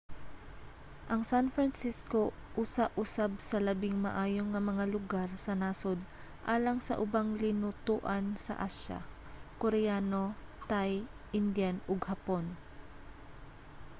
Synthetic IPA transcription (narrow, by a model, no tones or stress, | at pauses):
ʔɐŋsanfɾɐnsisko̞ʔusaʔʊsab̚sɐlɐbɪŋmɐ̰ʔaːjoŋːɐmɐŋalʊɡaɾsɐnaːsod̪̚ | ʔaːlɐŋsɐ̰ʔʊbaŋlɪnʊt̪uʔɐnsɐ̰ʔaʃa̰ | koɾɛjaːno̞t̪ajʔɪnd̪janoɡhɐpo̞n